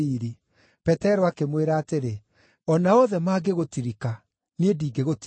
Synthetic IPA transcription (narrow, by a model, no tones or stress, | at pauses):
iɾi | pɛtɛɾɔakemweɾaːteɾe | ɔnaɔðɛmaːɡeɣotiɾika | niediːɡeɣot